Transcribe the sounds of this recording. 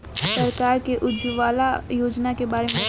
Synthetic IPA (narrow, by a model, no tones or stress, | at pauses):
səɾkaːɾkeʔʊd͡ʒʋaːlajoːd͡ʒnakebaːɾemẽ